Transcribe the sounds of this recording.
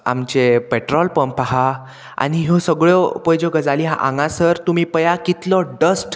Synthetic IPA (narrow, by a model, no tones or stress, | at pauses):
a̰mt͡ɕepeʈɾɔlpəmpaɦa | a̰ñiɦɔsəɡɭjɔpəjd͡ʑɔɡəd͡zaliɦa̰ʔa̰ŋɡãsəɾt̪um̤iːpəjakit̪lɔɖəsʈ